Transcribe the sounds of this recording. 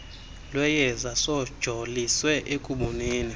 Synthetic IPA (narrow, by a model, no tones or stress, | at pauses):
lwɛjɛzasɔd̥ʒ̥ʱoliswɛʔekʼuɓuniːni